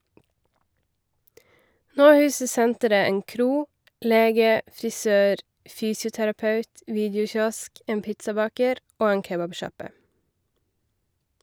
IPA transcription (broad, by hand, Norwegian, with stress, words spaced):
ˈnoː ˈhʉːsə ˈsɛntəɾə ˈeːn ˈkɾuː ˈleːɡə fɾɪˈsøːɾ ˈfyːsɪʊtæɾɑˌpɑʉt ˈʋiːdəʊˌçɔsk ˈeːn ˈpɪtsɑˌbɑːkəɾ ˈoː ˈeːn ˈkeːbɑbˌʃɑpə